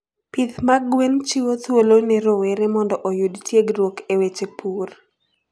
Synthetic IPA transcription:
pitmaɡwent͡ʃiwot̪wolonɛɾoweɾemɔndɔʔojudtjeɡɾwokewet͡ʃepʰur

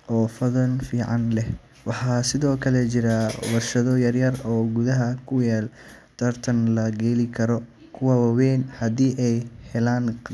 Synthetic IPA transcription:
ʔɔːfɐðɐnfiːʕɑnlɛh | wɑħɑːsɪðɔːkʰɐlɛt͡ʃɪɾɐwɐrʃɐðɔjɐrjɐrɔːɡuðɐɦɐkʰʊjaːl | t̪ʰɐrt̪ʰɐnlɐɡɛːlɪkʰɐɾɔ | kʰʊwɐwɑwɛːnhɐd̪iːʔɛjhɛlaːn

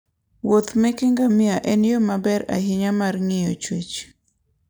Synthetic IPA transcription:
wot̪mɛkeŋɡamɪaʔɛnjomabɛɾa̰ɦɪɲamarŋɪjot͡ʃwet͡ʃ

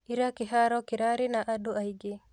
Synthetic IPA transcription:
iɾakiɦaɾɔkiɾaɾinaʔaduajɡe

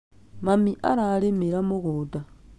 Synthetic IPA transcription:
mamiʔa̰ɾalemeɾamuɣuda

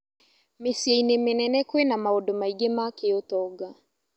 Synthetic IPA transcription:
mesieinemenɛnɛkwenamaɔdomaiɡemakeotɔɡa

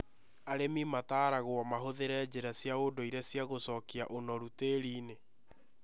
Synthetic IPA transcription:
aɾemimataːɾaɣwɔmaɦoðeɾɛd͡ʑeɾasjaodoiɾɛsjaɣosɔkiaʔonɔɾuteːɾiːne

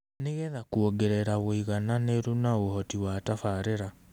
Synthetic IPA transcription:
neɣeðakuoɡeɾeɾaβoiɣananeɾunaohɔtiwatafaɾeɾa

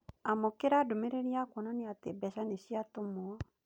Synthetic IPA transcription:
amokeɾadomeɾeɾiakonɔneatebɛʃaneʃiatomoɔ

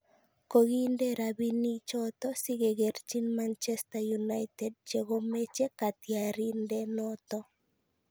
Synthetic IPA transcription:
koɣindeɾabinit͡ʃɔt̪ɔsiɣeɣeɾt͡ʃinmant͡ʃɛstajunaɪtɛd̚t͡ʃeɣomet͡ʃekat̪jaɾindɛnɔt̪ɔ

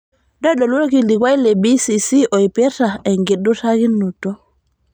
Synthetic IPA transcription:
ɗɔjɗɔlwokildikwajlɛbisisiʔɔjpɛtaɛŋɡiɗːutaɡinːutɔ

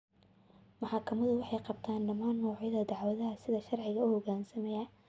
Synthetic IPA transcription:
mɑħɑkʰɐmɐðʊwɑħɑjqɑbt̪ʰaːnɖɐmaːnːɔːʕjɐðɐd̪ɑʕwɐðɐɦɐsɪðɐʃɐrʕɪɣɐʊhɔɡaːnsɐmɛjɐ

